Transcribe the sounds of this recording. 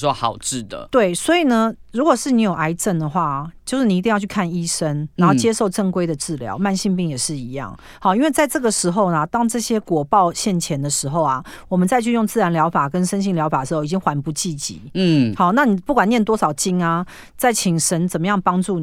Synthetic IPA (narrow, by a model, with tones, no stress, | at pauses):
wɔ˦hɑ̰˨˩ʊʈ͡ʂɻ̩˥˩d̪ə̰˩t̪we˥˩ɪswɔ˧˥i˨˩nə˨ɻu˧˥kwɔ˨˩ʂɻ̩˥˩˨ni˧˥jo˨˩ʊa˧˥ɪʈ͡ʂə˥˩nd̪ə˩xwa˥˩t͡ɕjo˥˧ʊʂɻ̩˥˩ni˨˩˧i˥˧jʊt͡ɕʰy˥˧kʰa˥˧ni˥ʂə˥n˨˦nxo˥˩ʊt͡ɕjɛ˥˦ʂo˥˧ʊʈ͡ʂə˥˧ŋkwe˥ɪd̪ə˨ʈ͡ʂɻ̩˥˩ljɑ̰˧˥ʊma˥˧nɕi˥˧ŋpi˥˩ŋjɛ˨˩ʂɻ̩˥˩i˧˦jɑ̰˥˩ŋ | hɑ˥˨˩i˥nwe˥˧ɪt͡sa˥˧ɪʈ͡ʂɤ˥˩ɡə˩ʂɻ̩˧˥xo˧ʊna˨t̪ɑ˥ŋʈ͡ʂɤ˥˩ɕjɛ˥kwɔ˨˩pɑ˥˧ʊɕjɛ˥˩nt͡ɕʰjɛ˨˥nd̪ə˨ʂɻ̩˧˥xo˥˨˩ʊa˩wɔ˨˩mə˨˦nt͡sa˥˧ɪt͡ɕʰy˥˧jo˥˧ŋt͡sɹ̩˥˩a˧˦nljɑ˧˥ʊfa˨˩kə˦nʂə˥nɕi˥˩ŋljɑ˧˥ʊfa˨˩də˩ʂ̩˧xo˥˩i˨˩t͡ɕi˥ŋxwa˧˥npu˧˥t͡ɕi˥˨t͡ɕḭ˨˦˥hɑ˥˩na˥˨ni˨˩pu˥˩kwa˨˩njɛ˥˩nt̪wɔ˥ʂɑ˨˩ʊt͡ɕi˥ŋa˨ | t͡sa˥˩ɪt͡ɕʰi˨˩ŋʂə˧˥nt͡sə˨˩mə˦jɑ˥˩ŋpɑ˥ŋʈ͡ʂu˥˩